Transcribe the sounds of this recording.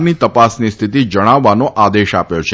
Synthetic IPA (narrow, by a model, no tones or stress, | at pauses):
mnit̪əpasnist̪ʰit̪id͡ʒəɽ̃aʋːanoʔad̪eʃapjot͡ʃʰe